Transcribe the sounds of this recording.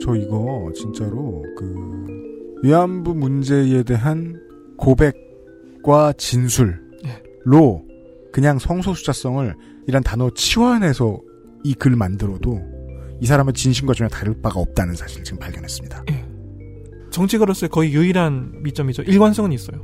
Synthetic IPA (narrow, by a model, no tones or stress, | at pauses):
t͡ɕʌiɡʌt͡ɕint͡ɕ͈aɾokɯ | jiambumund͡ʑe̞e̞de̞ɦan | kobe̞k̚ | k͈wat͡ɕinsʰuɭ | jeː | o | kɯɲaŋsʰʌŋsʰosʰu̥d͡ʑʰas͈ʌŋɯɭ | iɾantanʌt͡ɕʰiwanɦe̞sʰʌ | ikɯɭmandɯɾʌdoisʰaɾamɯt͡ɕinɕʰinɡwat͡ɕʰoɲataɾɯɭ̚p͈aɡaʌp̚t͈anɯnsʰaɕʰiɾɯt͡ɕiɡɯmpaɭɡjʌnɦe̞s͈ɯ̥mɲidaje | t͡ɕʌŋt͡ɕʰiɡɯɾʌs͈ɯkʌijuiɾanmit͡ɕ͈ʌmid͡ʑoʔiɭɡwans͈ʌŋɯɲis͈ʌjo